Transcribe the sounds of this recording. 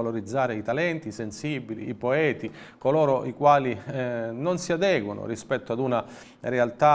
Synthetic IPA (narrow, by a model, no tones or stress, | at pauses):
aloɾid̪zːaːɾeit̪alɛnt̪isensibilḭːpoɛːt̪i | kolɔːɾoʔikwaːlinonsiad̪ɛːɡwonʊ̰rispɛt̪ːoad̪una | realt̪a